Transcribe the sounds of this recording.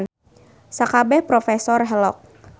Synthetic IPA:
n | sakabɛhpɾɔfɛsɔrɦɛlɔk̚

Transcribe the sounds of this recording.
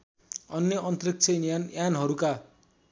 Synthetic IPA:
ʌnjʌʔʌnt̪rik̚t͡sʰʌnjanɦʌɾuka

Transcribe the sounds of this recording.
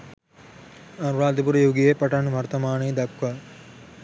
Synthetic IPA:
ɐnuɾaːd̪ip̬uɾɐjoɡijepɐʈɐnʋʱɐɾt̪ɐmaːneːd̪ɐkʋa

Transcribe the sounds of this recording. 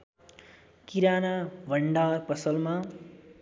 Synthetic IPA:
kiɾanabʱʌɳɖarpʌsʌlma

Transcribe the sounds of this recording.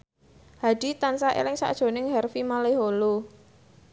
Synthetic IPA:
had̥it̪ansaʔḛlɪŋsa̰ʔd̥ʒ̥o̤nɪŋhɛrfimaleɦolo

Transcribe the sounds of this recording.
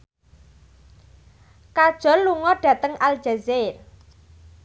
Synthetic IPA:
kad̥ʒ̥ɔ̤llːuŋɔɖ̥ä̤t̪əŋald̥ʒ̥azer

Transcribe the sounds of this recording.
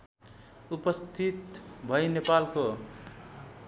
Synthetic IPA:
upʌst̪ʰit̪bʱʌjnepalko

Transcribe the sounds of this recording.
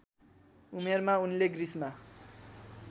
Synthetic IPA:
umermaunleɡrisma

